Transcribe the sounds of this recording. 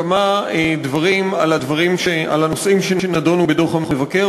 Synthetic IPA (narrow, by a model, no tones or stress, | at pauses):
amaed̪vaʁimalad̪vaʁimʃea̰lanosʔimʃeenadonubeto̞χhamevake